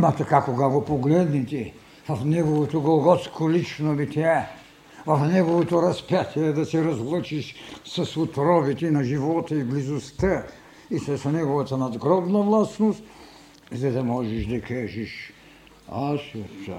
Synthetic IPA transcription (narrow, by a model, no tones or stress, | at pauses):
mat̪ɐkakoɡaɡopoɡlɛd̪nɛt̪ɛ | vɐfnɛɡovot̪oɡlɡɔt̪skʰolit͡ʃnomit̪ʲɛa | vɐfnɛɡovot̪oɾɐspʲjat̪ʰʲiɛd̪ɐsɛɾɐzlˠət͡ʃiʃsɐsut̪ɾɔbit̪ɛnɐʒivɔt̪əiblizost̪ə | isɐsnɛɡovɐt̪ɐnɐd̪ɡɾɔb̪nɐvlˠasnost̪ | zɐd̪ɐmɔʒɛʃd̪ɐkʰaʒɛʃ | aʃosa̰